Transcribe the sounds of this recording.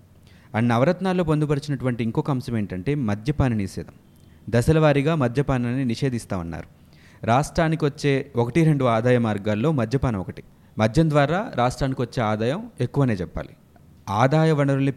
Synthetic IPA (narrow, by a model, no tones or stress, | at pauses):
ɐnːɐːʋɐɾɐt̪naːlːo̞ːpond̪upɐɾit͡ʃinɐʈuʋɐɳʈiŋkoːkɐmsɐme̞ːɳʈɐɳʈe̞ːmɐd̪ʱjɐpaːnɐniʃɛ̰ːd̪ʱɐm | d̪ɐsɐlɐʋaːɾiɡaːmɐd̪ʱjɐpaːnilɐnːiniʂe̞ːd̪ist̪aːʋunːa̰ːɾu | ɾaːʂʈɾaːnikiɐt͡ʃːeːɔkɐʈiɾe̞ɳɖuaːd̪aːjɐmaːɾɡaːlːo̞ːmɐd̪ʱjɐpanɐmɔkɐʈi̥ | mɐd̪ʱjɐnd̪ʋaːɾaːɾʔaːʂʈɾaːnikiʋɐt͡ʃːe̞ːaːd̪aːjɐme̞kːuʋɐne̞ːt͡ʃɛpːa̰ːli | aːd̪aːjɐʋɐnɐɾulni